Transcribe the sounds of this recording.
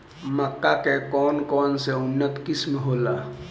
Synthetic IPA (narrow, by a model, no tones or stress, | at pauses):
məkːakekɔːnkɔːnseʊnːət̪kɪsmɦoːlaː